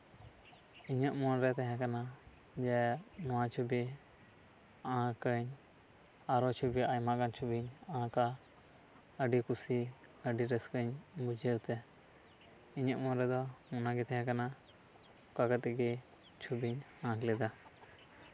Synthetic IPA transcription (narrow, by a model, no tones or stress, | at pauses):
iɲəʔmɔnɾɛt̪ɛɦɛ̃kana | d͡ʒɛnɔwat͡ʃʰubi | ãkəɲ | aɾɔt͡ʃʰubiaɲmaɡant͡ʃʰubiɲãka | əɖikusiəɖiɾɛskəɲbud͡ʒʱɛut̪ɛ | iɲəʔmɔnɾɛd̪ɔmɔnaɡɛt̪ʰɛɦɛ̃kana | kakət̪ɛɡɛ | t͡ʃʰubiɲ | ãklɛd̪a